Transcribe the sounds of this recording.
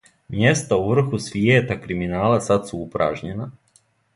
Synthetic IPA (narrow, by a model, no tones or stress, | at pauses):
mje̞st̪auʋr̩xusʋjeːt̪akɾiminaːlasat̪suupɾa̰ːʒɲena